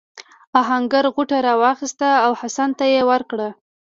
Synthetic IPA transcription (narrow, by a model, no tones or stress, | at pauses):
aɦaŋɡaɾɣuʈaɾɑwɑxist̪aawhasant̪ajewəɾkɽə